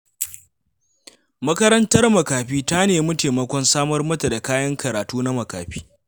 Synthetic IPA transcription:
mɐ˦kɐ˦ɾɐ˦ntɐ˦rmɐ˨kaː˨ɸiː˦ta˦neː˨mɐ˦teː˨mɐ˦kʷɔ˦nsaː˦mɐ˦rmɐ˦ta˨da˨kaː˦jɐ˦ŋkɐ˨ɾaː˨tuː˦na˦mɐ˨ka̰ː˨ɸiː˦

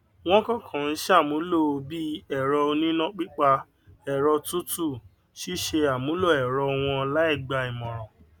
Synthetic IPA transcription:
w̃ɔ̃˦kɔ˦˨kʰã˨n̩˦ʃa˦˨mũ˨˦lo˦˨o˧bi˦ɛ˦˨ɾɔ˧o˧nĩ˦nɔ̃˦k͡pi˦k͡pa˧ | ɛ˨ɾɔ˧tu˦tu˦˨ | ʃi˦ʃe˧a˨mũ˨˦lo˦˨ɛ˨ɾɔ˧w̃ɔ̃˧la˨˦i˦˨ɡ͡ba˧i˨mɔ̃˨ɾ̃ɔ̃˨

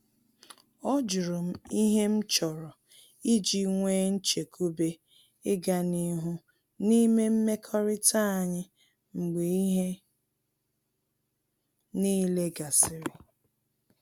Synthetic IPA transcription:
ɔ˦d͡ʒʊ˨ɾo˨m̩˦i˦ɦe˦m̩˦t͡ʃɔ˨ɾɔ˨ | i˦d͡ʒi˨ŋʷeː˦n̩˦t͡ʃe˨kʰu˦be˦ | ɪ˦ɡa˨ni˦ɦʊ˦ | ni˦me˦m̩˦me˦kʰɔ˦ɾɪ˦ta˦a˨ɲɪ˦ | ŋ͡m̩˨ɡ͡be˨i˦ɦe˦ | niː˦le˦ɡa˨sɪ˨ɾɪ˨

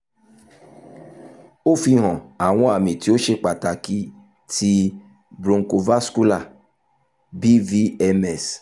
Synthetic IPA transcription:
o˦fi˧ɦɔ̃˨a˨w̃ɔ̃˦a˦˨mĩ˨ti˨˦o˦ʃe˧˦k͡pa˨ta˨ki˦ | tʰi˦ | bɾõ˧ŋ̩˦ko˧va˦sku˦la˦˨ | bi˦vi˦ɛ˧mɛ˦˨s

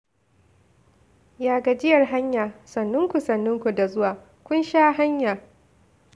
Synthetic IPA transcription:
jaː˨ɡa˨d͡ʒɪ˦jɐ˨rɦa˦ɲjaː˨sɐ˨nːʊ˦ŋkʷu˨sɐ˨nːʊ˦ŋkʷu˨da˨zʊ˦waː˨ | kʷʊ˦nʃaː˦ɦa˦ɲjaː˨

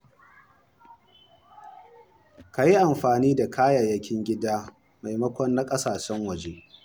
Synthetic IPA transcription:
ka˨ji˦ʔa˨mɸaː˨niː˦da˨kʰaː˦ja˨jɐ˦kʲʰɪ˦ŋɡʲɪ˦daː˦ | ma˨jmɐ˦kʷɔ˦nːa˦kʼɐ˦saː˨ʃɛ˦ŋwɐ˨d͡ʒe˦

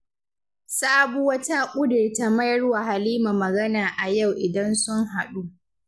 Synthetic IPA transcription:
saː˦bu˦wɐ˦ta˦kʷʼʊ˦dʊ˨rta˨mɐ˦jɐ˦ɽwa˨ha˨liː˦ma˨mɐ˨ɡɐ˦naː˨ʔa˨ja˦˨wʔɪ˨dɐ˦nsʊ˦ŋɦa˨ɗu˦

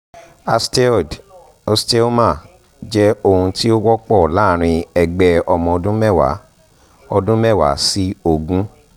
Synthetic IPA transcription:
a˧ste˦ɔ˨d | o˧ste˦o˦ma˦˨ | d͡ʒɛ˦o˧hũ˧ti˦o˦wɔ˦k͡pɔ˦˨laː˦˨ɾ̃ĩ˧ɛ˧ɡ͡bɛ˧ɔ˧mɔ̃˧ɔ˧dũ˦mɛ˦˨wa̰˨˦ | ɔ˧dũ˦mɛ˦˨wa̰˨˦si˦o˧˨ɡũ˦

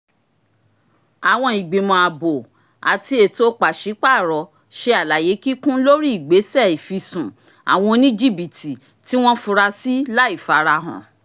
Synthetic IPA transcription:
a˨w̃ɔ̃˧i˨ɡ͡be˨mɔ̃˧a˨bo˨ | a̰˨ti˧e˨to˦k͡pa˨ʃi˨˦k͡pa˦˨ɾɔ˨˧ | ʃe˧a˨la˨je˨˦ki˦kũ˦lo˦ɾi˦i˨ɡ͡be˨˦sɛ˦˨i˨fi˧sũ˨ | a̰˨w̃ɔ̃˧o˧nĩ˦d͡ʒi˦bi˨ti˨ | ti˦w̃ɔ̃˦fũ˧ɾa˧si˦la˦i˦˨fa˨˦ɾa˧ɦã̰˨

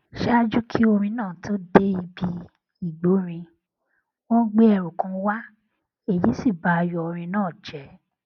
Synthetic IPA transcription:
ʃɛ˦a˦d͡ʒu˦kʰi˦o˧ɾ̃ĩ˧nãː˦˨to˦de˦i˧bi˧ | i˦˨ɡ͡bo˨˦ɾ̃ĩ˧ | wɔ̃˦ɡ͡be˦ɛ˨ɾu˨kã˨˦wa˦ | e˨ji˨˦si˦˨ba˨˧jɔ˧˨˧ɾ̃ĩ˧˦nãː˦˨d͡ʒɛ˨˦

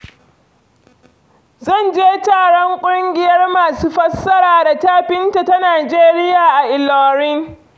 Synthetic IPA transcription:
zɐ˦˨nd͡ʒeː˦taː˨ɽɔ˦ŋkʷʼʊ˦ŋɡʲɪ˨jɐ˦rmaː˨suː˦ɸɐ˦sːɐ˦ɾaː˨da˨taː˦ɸɪ˦nta˨ta˦naː˨d͡ʒeː˦ɾɪ˦jaː˨ʔa˨ʔɪ˨lɔː˨ɾɪ˦ŋ

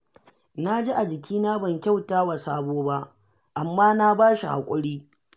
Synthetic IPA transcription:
na˦d͡ʒe˦ʔa˨d͡ʒɪ˨kʲʰiː˦naː˦bɐ˨ŋkʲa˦˨wtaː˦wa˨saː˦boː˦ba˦ʔ | ʔa˨mːaː˦na˦baː˦ʃi˨ha̰˨kʷʼʊ˦ɽiː˦

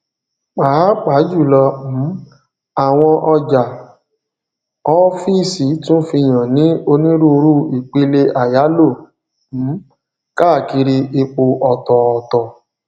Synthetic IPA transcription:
k͡pa˨˦k͡pa˨˦d͡ʒu˦˨lɔ˧m̩˨˦ | a˨w̃ɔ̃˧ʔɔ˧d͡ʒa˨ | ɔ˦fi˦˨si˨˦tũ˦fi˧j̃ã˨nĩ˨˦o˧nĩ˦ɾu˦o˧ɾu˦i˨k͡pe˧˦le˧ʔa˨ja˨˦lo˦˨ | m̩˨˦ | ka˦˨ki˧ɾi˧e˧k͡po˧ʔɔ˨tɔ˨ɔ˨tɔ˨

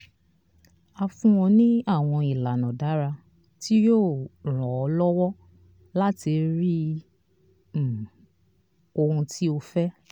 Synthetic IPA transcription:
a˧fũ˦wɔ̃˧nĩ˦a˦˨w̃ɔ̃˧i˨la˨nɔ̃˨da˨˦ɾa˧ | ti˦joː˦˨ɾ̃ɔ˨ɔ˨˧lɔ˦wɔ˦ | la˦ti˧ɾi˦˨ | o˧hũ˧tʰi˦o˧fɛ˦

